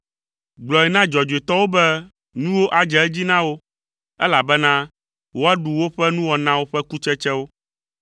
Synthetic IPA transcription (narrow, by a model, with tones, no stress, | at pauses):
ɡ͡blɔ˨ɛ˨nã˦d͡ʒɔ˨d͡ʒo˨e˨t̪ɔ˦wo˦bɛ˦ | nũ˦wo˦ʔa˨d͡ʒɛ˨˦ɛ˦d͡ʑi˦nã˦wo˦ | ɛ̰˦la˨bɛ˦nã˦ | wo˦a˦ɖu˨wo˦ɸɛ˦nũ˦wɔ˨nã˦wo˦ɸɛ˦ku˦t͡ʃɛ˦t͡ʃɛ˦wo˦